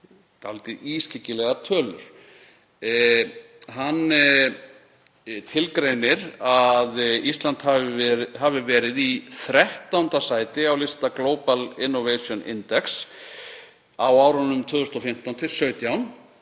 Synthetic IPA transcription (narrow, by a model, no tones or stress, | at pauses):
t̪alːt̪ɪiscɪcːɪlɛɣat̪ʰœːlʏ̰ɾ̥ | ɦanː | t̪ʰɪlkɾejnɪɾaðist̪lant̪haɦavɪvɛːɾɪðiθɾɛht̪awnt̪asaːjt̪ɪawlɪst̪akloːwpalɪnːɔvejsjɔnɪ̰nt̪ɛks | awawɾanːʏmt̪ʰœːðʏst̪ɔfɪm̥t̪awnt̪ʰɪlsœːɥt̪jawn